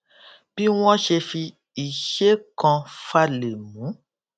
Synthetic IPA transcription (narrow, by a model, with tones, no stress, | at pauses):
bi˦wɔ̃˦ʃe˧fi˧ | i˨ʃe˦kɔ̃˧fa˦le˨mũ˨˦